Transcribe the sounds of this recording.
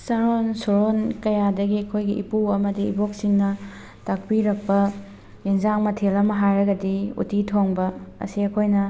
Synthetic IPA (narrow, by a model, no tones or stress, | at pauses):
sɐɾonsoɾonkɐjadɐɡiɐkʰojɡiʔḭpuɐmɐdḭːboksiŋnɐ | tak̚piɾɐk̚pɐ | jeŋzaŋmɐtʰelɐmɐɦajɾɐɡɐdiṵtitʰoŋbɐɐ̰siɐkʰojnɐ